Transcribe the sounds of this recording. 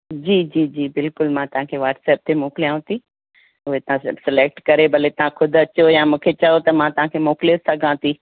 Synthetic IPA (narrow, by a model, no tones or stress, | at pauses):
d͡ʑiːd͡ʑiːd͡ʑiːbɪlkʊlmãt̪ɐɦãkʰeʋaːʈsɛːp̚t̪ʰemoːklijãːʊ̃t̪ʰi | ʊɦet̪ɐãsɪleːk̚ʈkɐɾebʱɐlet̪ɐɦãkʰʊd̪ʱɐt͡ɕojãːmũːkʰet͡ɕɐot̪ɐmãt̪ɐʋ̤ɦãkʰemoːklijosɐɡʱãt̪ʰiː